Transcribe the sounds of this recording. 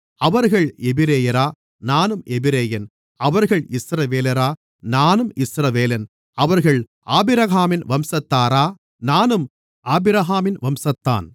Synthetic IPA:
ɐʋɐɾɣɐɭɛbɪɾeːjɐɾaː | naːnɯmʔɛbɪɾeːjɐn | ɐʋɐɾɣɐɭɪsɾɐʋeːlɐɾaː | naːnɯmɪsɾɐʋeːlɐn | ɐʋɐɾɣɐɭ | ʔaːbɪɾɐɣaːmɪnʋɐmsɐt̪ːaːɾaː | naːnɯm | ʔaːbɪɾɐɦaːmɪnʋɐmsɐt̪ːa̰ːn

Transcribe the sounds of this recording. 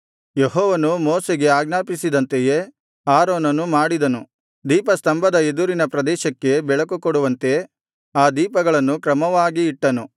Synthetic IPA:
jeɦɔːʋɐnumoːseɡe̞aːɡnaːpisid̪ɐnt̪eje̞ | aːɾoːnɐnːumaːɽid̪ɐnu | d̪iːpɐst̪ɐmbʱɐd̪ɐe̞d̪uɾinɐpɾɐd̪ɛːʃɐkːe̞bɛɭɐkukoɽuʋɐnt̪e̞ | aːd̪iːpɐɡɐɭɐnːukɾɐmɐʋaːɡiːʈːɐnu

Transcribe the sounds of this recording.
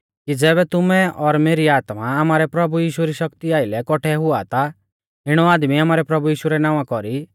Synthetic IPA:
kid͡zɛːβɛt̪ʊmɛɔɾmeːɾiaːt̪maamaːɾɛpɾɐbujiːʃuɛɾiʃɐkt̪iaːɪlɛkɔʈʰɛɦʊa̰t̪a | ɪɽ̃ɔaːd̪miaːmaːɾɛpɾɐbuiːʃuɾɛnaːʋ̃ãkɔɾi

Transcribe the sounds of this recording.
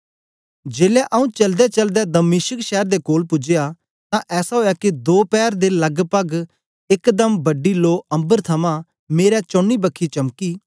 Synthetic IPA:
d͡ʒeːlɛʔɐũːt͡ʃɐld̪ɛt͡ʃəld̪ɛd̪əmɪːʃəkʃɛːɾd̪eːkoːlpʊd͡ʒeja | t̪ãʔɛːsaɦoːjaːkid̪oːpɛːɾd̪elɐɡpəɡ | ɪkd̪əmbəɖiːloːʔə̃mbəɾt̪ʰɐmãː | meːɾɛt͡ʃõːɳːiːbəkʰːit͡ʃɐmkiː

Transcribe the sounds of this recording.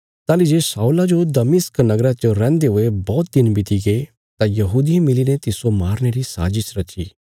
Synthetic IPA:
t̪aːlid͡ʒeːsaːulad͡ʒod̪ɐmɪsknɐɡɾat͡ʃoɾɛ̃ːnd̪eɦʊebɔːt̪̚d̪ɪnbɪt̪ʰiɡe | t̪ãjɐɦuːd̪iẽmɪlinet̪ɪsomaːɾneɾisa̰ːd͡ʒɪʃɾɐt͡ʃḭː

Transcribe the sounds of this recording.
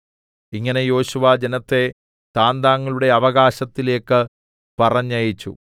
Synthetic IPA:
iŋːɐne̞jo̞ːɕuʋaːd͡ʑenɐt̪ːe̞ | t̪aːnd̪aːŋːɐɭuɽe̞ɐʋɐɣaːɕɐt̪ːile̞ːkːɨ | pɐrɐɲːɐjit͡ɕːṵ

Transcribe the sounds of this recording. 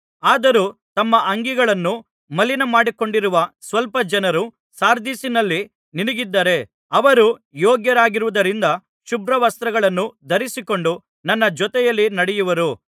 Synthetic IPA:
aːd̪ɐɾut̪ɐmːɐʔɐŋɡiɡɐɭɐnːu | mɐlːinɐmaːɽiko̞ɳɖiɾuʋɐsʋɐlpɐd͡ʒɐnɐɾu | saːɾd̪isinɐlːi | niniɡid̪ːɐːɾe̞ | ɐʋɐɾujɔːɡjɐɾaːɡiɾuʋud̪ɐɾind̪ɐ | ʃubɾɐʋɐst̪ɾɐɡɐɭɐnːud̪ʱɐɾisiko̞ɳɖu | nɐnːɐd͡ʒɔt̪ɛjɐlːinɐɽɛjuʋɐɾu

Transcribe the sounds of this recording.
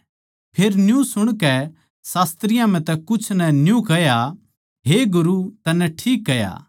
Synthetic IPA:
pʰeːɾnjũsʊɽ̃kɛ | saːst̪ɾɪjãm̤ɛ̃t̪ɛkʊt͡ʃʰnɛnjũkɐja | ɦeɡʊɾut̪ɐnɛʈʰiːkːɐja̰ː

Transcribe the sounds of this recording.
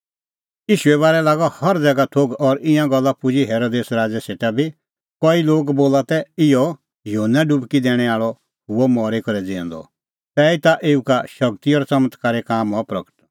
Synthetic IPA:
jiːʃuɛβaːɾɛlaːɡɔhɐɾd͡zɛɡat̪ʰoːɡɔɾɪ̃ãɡɔlːapʊd͡ʒiɦeːɾoːd̪eːsɾaːd͡zɛseːʈabʱi | kɔiloːɡboːlat̪ɛɪjɔ | juɦənːɛɖʊbkid̪ɛːɽ̃ɛ̃aːɭɔ | ɦʊɔmɔːɾekɔɾɛd͡zeɔ̰̃nd̪ɔ̰ | t̪ɛːit̪aʔeːukaʃɐk̚t̪iɔːɾsɐmət̪ʰkaːɾɛkaːmɔpɾɐ̰kə̥ʈ

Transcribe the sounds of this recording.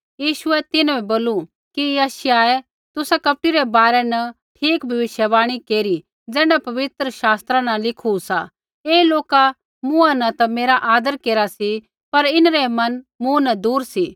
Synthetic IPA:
jiːʃʊɛt̪ɪnʋɛboːlu | kijɐʃjaɛ | t̪ʊsakɐp̚ʈiɾɛbaːɾɛnɐ | ʈʰiːkbʱɐʋɪʃjəbaːɽ̃ikeːɾi | d͡zɛːɽ̃apɐʋɪt̪ɾəʃaːst̪ɾãnɐlɪkʰusa | eːloːka | mʊ̃ãnɐt̪ɐmeːɾaʔaːd̪əɾkeːɾasi | pɐɾɪnɾɛmɐnmũnɐd̪uːɾsi

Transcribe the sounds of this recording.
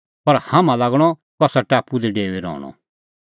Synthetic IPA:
pɐɾhamãlaːɡɽ̃ɔ | kɔsaʈaːpud̪ɛɖeːʋeɾɔ̰ːɽ̃ɔ̰

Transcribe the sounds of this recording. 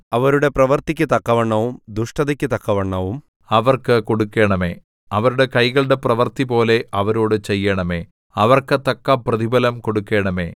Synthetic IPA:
ɐʋɐɾuɽe̞prɐʋɐrt̪ikʲːɨt̪ɐkːɐʋɐɳːɐʋumd̪uʂʈɐðɐkʲːɨt̪ɐkːɐʋɐɳːɐʋum | ɐʋɐrkɨko̞ɽukːe̞ːɳɐmḛː | ɐʋɐɾuɽe̞kɐjɣɐɭɨɽe̞prɐʋɐrt̪ipo̞ːle̞ʔɐʋɐɾo̞ːɽɨt͡ɕe̞jːɐɳɐme̞ː | ɐʋɐrkɨt̪ɐkːɐprɐðibɐlɐmko̞ɽukːe̞ːɳɐme̞ː

